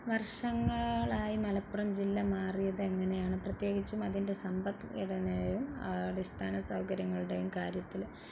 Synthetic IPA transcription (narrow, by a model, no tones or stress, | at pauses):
ʋɐrʂɐŋːɐɭaːjimɐlɐpːurɐmd͡ʑilːɐmaːrijɐðɨeŋːɐne̞jaːɳɨprɐt̪je̞ːɡit͡ɕːumɐðinde̞sɐmbɐt̪ːiɽɐnejumɐ̰ɽest̪ʰaːnɐsɐwkɐɾjɐŋːɐɭuɽe̞jumkaːɾjɐt̪ːil